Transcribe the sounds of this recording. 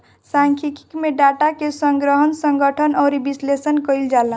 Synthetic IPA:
saŋkʰiki̥kmeɖaʈakesəŋɡɾəɦənsəŋɡəʈʰənɔːɾibislesənkəild͡ʒala

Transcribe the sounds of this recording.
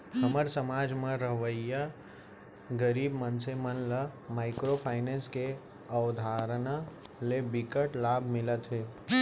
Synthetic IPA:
ɦəməɾsəmaːd͡ʒmẽɾəɦʋəjja | ɡəɾiːbmənsemənləmaːɪkɾopʰaːɪnẽːske | əwd̪ʱaːɾənalebɪkəʈlaːbʱmɪlət̪ɦeː

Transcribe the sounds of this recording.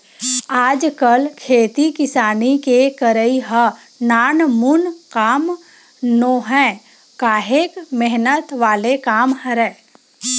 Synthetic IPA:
aːd͡ʒkəlkʰeːt̪ikɪsaːnikekəɾəiɦə | naːnmʊnkaːm | noːɦɛ̃ | kaːɦeːkmɛɦnət̪ʋaːlekaːmhəɾɛː

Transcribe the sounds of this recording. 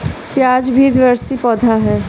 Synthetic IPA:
pjaːd͡ʒbʱid̪ɪʋəɾsipɔːd̪ʱaɦɛː

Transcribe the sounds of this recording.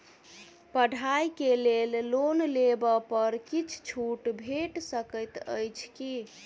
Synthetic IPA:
pəɖʱajkelellonlebəpəɾkit͡ʃʰt͡ʃʰuʈbʱeʈsəkəjt̪ə̰jt͡ʃʰki

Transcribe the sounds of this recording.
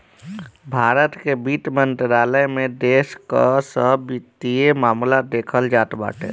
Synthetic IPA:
bʱaɾət̪kebiʈ̪mənt̪ɾaləjmed̪eskəsəbit̪iemamlad̪ekʰəld͡ʒat̪ba̰ʈḛ

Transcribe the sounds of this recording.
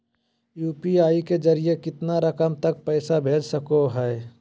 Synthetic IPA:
juːpiaːiked͡ʒɐɾijekɪt̪naɾəkəmt̪ɐk̚pɛɪsabʱeːd͡ʒsəkoɦɛː

